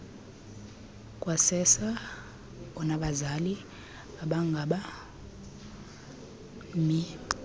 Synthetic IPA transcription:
kʼwasɛsa | ɔnaɓazali | aɓaŋɡʱaɓa | mi

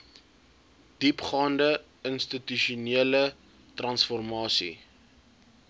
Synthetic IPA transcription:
d̥ipχɑːndə | ənst̪ityʃuniələ | trɐnsfɔrmɑːsḭ

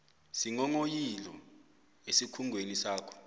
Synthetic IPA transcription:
siŋɔŋojilɔ | esikʰuŋʱwenisaːkʰɔ̥

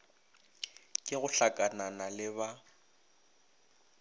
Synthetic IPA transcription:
kʼɪɣʊɬakʼananalɪβa

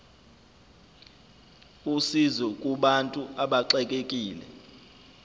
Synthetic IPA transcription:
usizɔkʼuɓantʼuaɓaǁɛkʼekʼiːlɛ̰

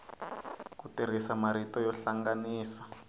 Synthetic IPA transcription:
kutiɾ̤isamaɾitɔjɔɬaŋɡaniːsḁ

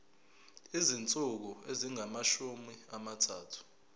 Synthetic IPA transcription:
izint͡sʼuk̬ɔeziŋamaʃumiamatʰaːtʰu̥

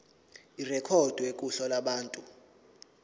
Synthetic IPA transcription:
irɛkʰɔd̥ʱuekʼuɬɔlaɓaːntʼu

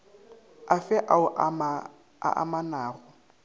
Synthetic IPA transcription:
afɛʔaʊʔm | a̰ʔa̰manaːɣʊ

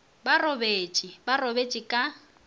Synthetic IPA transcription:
barɔbeːt͡ʃʼibarɔbet͡ʃʼikʼa

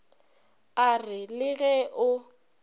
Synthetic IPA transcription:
arɪlɪɣɛʔʊ

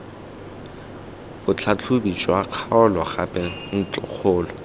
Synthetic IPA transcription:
bʊt͡ɬʰat͡ɬʰʊbit͡ʃʼwaq͡χʰaʊlɔχapʼɛn̩t͡ɬʼʊ̰k͡xʰʊːlɔ

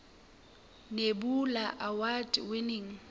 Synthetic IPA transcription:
nebulaʔawatʼwɪnɪŋ̩

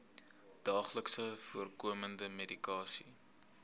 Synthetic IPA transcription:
d̥ɑːχləksəfuərkuəməndəmedikɑːsi

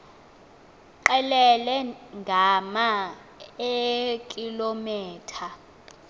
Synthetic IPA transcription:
ǃɛlɛlɛŋɡʱama | ekʼilomɛːtʰa

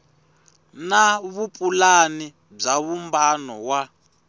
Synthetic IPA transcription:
naβupʼulani | b͡ʐaβumbanɔwa

